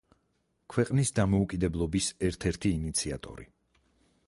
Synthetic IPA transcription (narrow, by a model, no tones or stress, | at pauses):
kʰwɛqʼnisd̪amɔukʼid̪ɛblˠɔbisɛɾt̪ʰɛɾt̪ʰiːnit̪sʰia̰t̪ʼɔ̰ɾḭ